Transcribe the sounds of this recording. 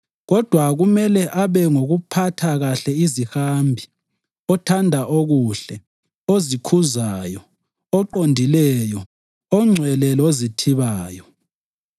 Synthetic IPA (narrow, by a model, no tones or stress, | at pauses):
ɣɔd̥ʱwaɣumɛlɛʔaβɛŋoɣupʰatʰaɣaɬɛizihambʱi | ɔtʰandʱaʔoɣuɬɛ | ozikʰuzaːjɔ | ɔǃondʱilɛjɔ | ɔŋ͡ǀʱwɛlɛlozitʰiβaːjɔ